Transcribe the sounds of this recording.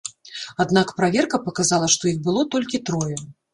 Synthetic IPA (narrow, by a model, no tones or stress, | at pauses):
ad̪nakpɾavʲɛrkɐpɐkazalˠɐʂt̪ɔixbɨlˠɔt̪ɔlʲkʲit̪ɾɔjɛ